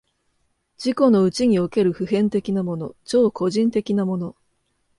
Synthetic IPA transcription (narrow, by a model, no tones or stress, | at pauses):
d͡ʑiko̞no̞ɯ̟t͡ɕiɲ̟ioke̞ɾɯ̟ɸɯ̟ɦẽ̞nt̪e̞kʲinamo̞no̞t͡ɕo̞ːko̞ʑĩnt̪e̞kʲinamo̞no̞